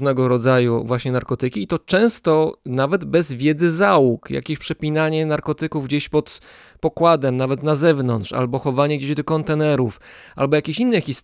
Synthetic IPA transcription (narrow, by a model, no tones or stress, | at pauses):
nɛɡɔɾɔd̪zajṵvwaɕɲɛnaɾkɔt̪ɘkʲiːt̪ɔt͡ʂɛ̃w̃st̪ɔnavɛd̪bɛzvʲjɛd̪zɘzawukja̰kʲeɕpʂɛpʲinaɲɛnaɾkɔt̪ɘkuvɡd͡ʑeɕpɔt̪ | pɔkwad̪ɛmnavɛt̪nazɛvnɔntʂa̰lbɔxɔvaɲɛɡd͡ʑeʑd̪ɔkɔnt̪ɛnɛɾufʔa̰lbɔjakʲeɕinːɛxʲis